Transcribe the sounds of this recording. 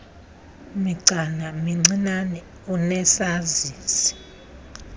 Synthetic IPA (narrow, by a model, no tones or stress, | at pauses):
miǀʱanamiŋ͡ǀinanɛ | unɛsaziːsi̥